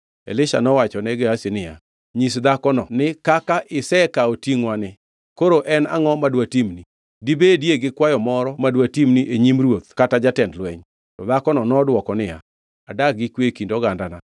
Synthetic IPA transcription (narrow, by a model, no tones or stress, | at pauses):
ḛlɪʃa̰nɔwat͡ʃɔnɛɡeasinɪja̰ | ɲisd̪akɔnɔnɪkakaʔɪsɛkaotiŋwanɪ | koɾoʔɛna̰ŋɔmadwatimni | dibedjeɡɪkwajɔmɔɾɔmadwatimniʔeɲimɾwot̪̚katad͡ʒatɛndlwɛɲ | tɔd̪akɔnɔnɔdwɔkɔnɪja̰ | adak̚ɡɪkwekindɔɡandana